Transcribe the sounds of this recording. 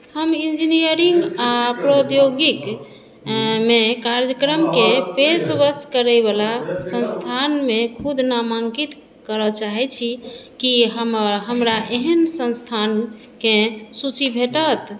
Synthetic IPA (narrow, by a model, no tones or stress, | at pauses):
həmind͡ʒinijəɾiŋɡapɾod̪joɡik | mekaɾjd͡ʒəkɾəmkepesbəskəɾəjbalasə̃nst̪ʰanmekʰud̪ʱnamaŋkit̪ | kəɾət͡ʃaɦɛt͡ʃʰikiɦəməɾɦəmɾaʔeɦənsə̃nst̪ʰan | kesut͡ʃibʱeʈət̪